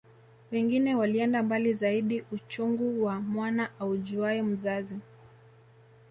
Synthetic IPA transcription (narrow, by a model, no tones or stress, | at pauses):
wɛŋɡinɛwaliɛndambalizaiɗiʔut͡ʃuŋɡuwamwanaʔauʄuaɛm̩zazi